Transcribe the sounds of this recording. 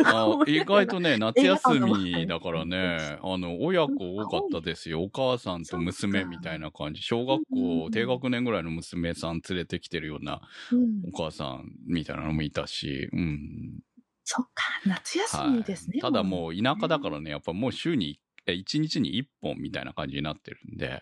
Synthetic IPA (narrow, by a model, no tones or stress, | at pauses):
aiɡait̪o̞ne̞nat͡sɨjasɨmʲid̪akaɾane̞ano̞ojakɯoːkat̪ːad̪e̞sɨjo̞ːkaːsãnt̪o̞mɯ̟sɨme̞mʲit̪ainakã̰ɲ̟d͡ʑiɕo̞ːɡakːo̞ːt̪e̞ːɡakɯ̟nẽŋɡɯ̟ɾaino̞mɯsɨme̞sãnt͡sɨɾe̞t̪e̞kʲi̥t̪e̞ɾɯ̟jo̞̰ːna̰o̞kaːsã̰nmʲit̪a̰ḭna̰nomoit̪aɕḭɯ̟̃ɴ | sokːḁnat͡sɨjaha̰imid̪esɨnet̪ad̪amo̞ːinakad̪akaɾane̞japːaimo̞ːɕɨːɲ̟i | eit͡ɕiɲ̟it͡ɕiɲ̟ḭipːõ̞̰mmʲːit̪a̰ḭna̰kãɲ̟d͡ʑiɲinat̪ːe̞̰ɾɯ̟̃nd̪e̞̰